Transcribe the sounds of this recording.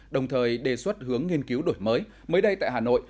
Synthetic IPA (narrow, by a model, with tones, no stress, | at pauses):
ɗə˨˩wŋ͡mt̪ʰəː˨˩jɗe˨˩swə˦˥t̚hɨ˨˦əŋːi˧ənki˨˦wɗo˧˩jməː˨˦j | məː˨˦jɗə˧jt̪a̰ː˧˨jɦaː˨˩no̰˧˨j